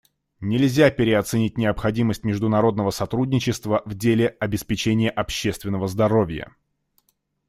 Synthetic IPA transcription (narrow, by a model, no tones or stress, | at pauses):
nʲɪlʲzʲapʲɪɾʲɪɐt̪sɨnʲit̚ʲnʲɪəpxɐdʲiməsʲt̚ʲmʲɪʐd̪ʊnɐɾo̞d̪nəvəsɐt̪ɾudʲnʲɪt͡ɕɪst̪vəvdʲelʲɪɐbʲɪspʲɪt͡ɕenʲɪjəʔɐpɕːe̞st̪vʲɪnːəvəzd̪ɐɾo̞vʲjə̰